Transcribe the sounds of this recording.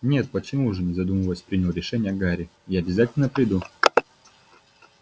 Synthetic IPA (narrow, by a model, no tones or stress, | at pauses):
nʲe̞t̪̚pət͡ɕɪmuʐɨnʲɪzɐd̪uməlˠəsʲpɾʲinʲɪlˠɾʲɪʂɛnʲɪjəɡaɾʲɪjaɐbʲɪzatʲɪlʲnəpɾʲɪd̪u